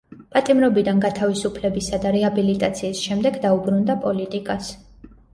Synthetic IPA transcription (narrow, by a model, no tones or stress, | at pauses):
pʼat̪ʼimɾɔbid̪anɡat̪ʰavisupʰlɛbisad̪aɾɛabilit̪ʼat̪sʰiːsʃɛmd̪ɛɡd̪aubɾund̪apʼɔlit̪ʼikʼas